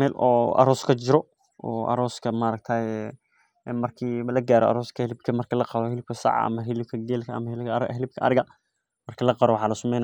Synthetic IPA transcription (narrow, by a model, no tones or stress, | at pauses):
mɛːlɔːɐ̰ɾɔːskʰɐt͡ʃɪɾɔ | ɔːʔɐ̰ɾɔːskʰɐmɐɾɐɡ̚t̪ʰaːjɛ | mɐrkʰiːlɐɡaːɾɔɐ̰ɾɔːskʰɐhɪlɪbkʰɐmɐrkʰiːlɐqɑðɔhɪlɪb̚kʰɐsɑ̰ʕ̰ɐ̰mɐɦɪlɪb̚kʰɐɡɛːlkʰɐʔɐ̰mɐhɪlɾɦɪlɪb̚kʰɐɐ̰ɾɪɣɐ | mɐrkʰiːlɐqɑɾɔwɑħɑːlɐsʊmɛjna